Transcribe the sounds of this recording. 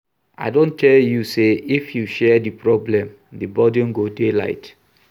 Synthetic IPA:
ʔa̰ɪdõntʰɛljuseifjuʃɛdipɹɔblɛ̃m | dibɔdjɔ̃mɡodela̰ɪt

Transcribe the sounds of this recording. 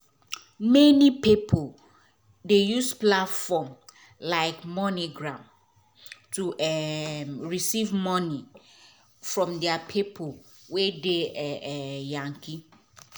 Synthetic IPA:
mɛnipipʰol | dejusplatfɔm | laɪkmɔ̃niɡɹãm | tʰuʔɛmɹisivmɔ̃ni | fɹɔ̃mdɛapʰipʰo | wedeɛɛjãŋki

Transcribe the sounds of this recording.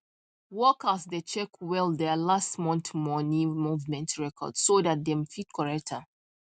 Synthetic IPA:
wɔkəsdet͡ʃɛkʰwɛlˠdɛlastmɔ̃nθmɔnĩmuvmɛ̃ntɹɛkʰɔ̰dssodat̚dɛ̃mfit̚kʰɔɹɛk̚tʰə

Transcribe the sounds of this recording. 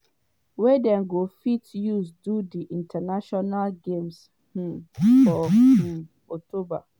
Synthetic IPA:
wɛdɛ̃nɡofitjusdudiʔĩntʰanaʃɔnalɡẽms | h̩fɔ | ɔk̚tʰoba

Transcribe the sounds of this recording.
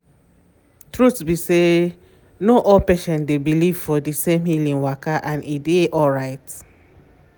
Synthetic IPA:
tɹutsbise | noʔɔlpɛʃɔ̃ndebiliv̥fɔdisẽmhilĩnwakaʔãnedeʔɔlɹaɪt

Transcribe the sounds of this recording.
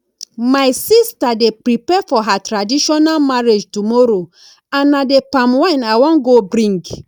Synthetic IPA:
majsistadepɾipɛfɔɦatɹadiʃɔnalmaɹed͡ʒtumɔɾo | ãnadepãmwãjnawɔ̃nɡobɾĩŋɡ

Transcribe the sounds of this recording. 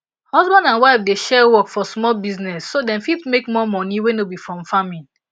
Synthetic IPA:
hɔzbãndãnwaɪfdeʃɛwɔkfɔsmɔlbiznɛsːodɛ̃nfipmekmɔmɔniwɛ̃nobifɹɔ̃mfamĩn

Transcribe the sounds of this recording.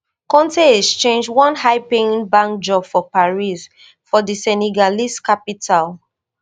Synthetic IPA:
kɔ̃ntest͡ʃẽnd͡ʒwɔ̃nhaɪpeĩnbãŋk̚d͡ʒɔbfɔpaɹis | fɔdisɛniɡaliskapitʰal

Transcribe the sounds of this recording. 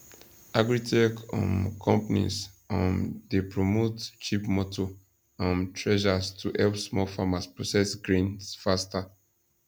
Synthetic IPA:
aɡɹitʰekɔ̰̃nkʰɔ̃mpnḭsãndepɹomott͡ʃipmɔtʰo | ãntʰɹɛʒastʰuʔɛlpsmɔfamaspɹosɛsɡɹĩnsfasta

